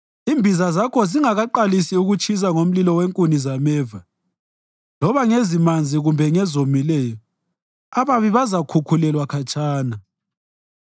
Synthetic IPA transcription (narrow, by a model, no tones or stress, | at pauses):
imbʱizazakʰɔziŋaɣaǃalisiuɣut͡ʃʰʼis̬aŋom̩lilɔweŋkʼunizamɛːva | lɔβaŋezimand͡zʱiɣumbʱɛŋɛzomilɛjɔ | aβaβiβazakʰukʰulɛlwakʰat͡ʃʼaːna